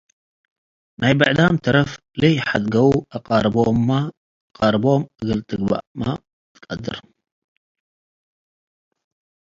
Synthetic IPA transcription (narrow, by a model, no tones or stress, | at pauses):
najbɐʕd̪amt̪ʰɐɾɐf | lejħad̪ɡɐwuʔaqʼaɾbomːa | qʼaɾbo̞mʔɨɡɨlt̪ʼʰɨɡba̰ʔma̰ | t̪ʰɨ̥kʼɐd̪ɨɾ